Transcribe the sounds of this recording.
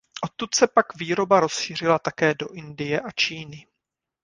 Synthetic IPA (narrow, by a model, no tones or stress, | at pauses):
ʔo̞t̪ːut̪sɛpakviːɾo̞baɾo̞sʃɪr̝ɪlat̪akɛːdo̞ʔɪndɪjɛʔat͡ʃiːnɪ